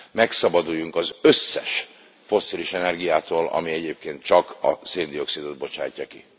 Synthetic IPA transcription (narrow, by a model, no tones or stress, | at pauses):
mɛksɒbɒd̪ujːuŋkɒzø̞sːɛ̰ʃ | fo̞sːiːliʃɛnɛrɡijaːt̪oːlɒ̰miɛɟeːp̚keːnt̪̚t͡ʃɒkɒ̰seːnd̪io̞ksid̪od̪̚bo̞t͡ʃa̰ːcːɒki